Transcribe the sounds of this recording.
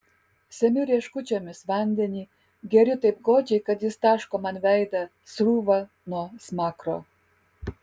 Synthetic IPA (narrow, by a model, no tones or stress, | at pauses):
sʲɛmʲʊɾʲiɛʃkʊt͡ʃʲɛmʲɪsʋɐnʲd̪ʲɛnʲiː | ɡʲɛɾʲɪt̪ɐɪpɡoːt͡ʃʲɛɪkɐt̪jɪst̪ɑːʃkoːmɐnʋʲɛˑɪd̪ɐ | sɾuːʋɐ | nuɔsmɑːkɾo̰ː